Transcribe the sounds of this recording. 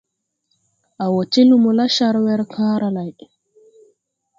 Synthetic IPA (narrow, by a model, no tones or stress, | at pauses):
ʔawot͡ʃːilumɔlaʃaɾwɛɾkʰaːɾalaj